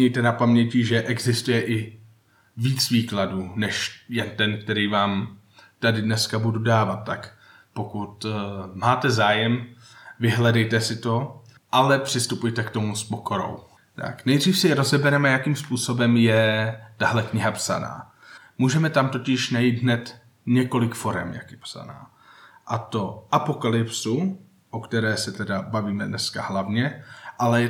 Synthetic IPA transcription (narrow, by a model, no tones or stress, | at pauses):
ɲɛjt̪ɛnapamɲɛcɪʒɛʔɛɡzɪst̪ujɛʔɪ | viːt͡sviːkladuːnɛʃjɛnt̪ɛnk̚t̪ɛɾiːvaːm | t̪adɪdnɛskabududaːvat̪̚ːak | po̞kut̪maːt̪ɛzaːjɛm | vɪɦlɛdɛjt̪ɛsɪt̪o̞ | ʔalɛpr̥ɪst̪upujt̪ɛkt̪o̞muspo̞ko̞ɾo̞̰w | t̪a̰knɛjdriːfsɛjɛɾo̞zɛbɛɾɛmajakiːmspuːso̞bɛmjɛt̪aɦlɛkɲɪɦapsa̰na̰ː | muːʒɛmɛt̪amt̪o̞cɪʃnajiːt̪ɦnɛt̪ | ɲɛko̞lɪkfo̞ɾɛmja̰kjɛpsa̰na̰ː | ʔat̪o̞ʔapo̞kalɪpsu | ʔokt̪ɛɾɛːsɛt̪ɛdabaviːmɛdnɛskaɦlavɲɛʔalɛ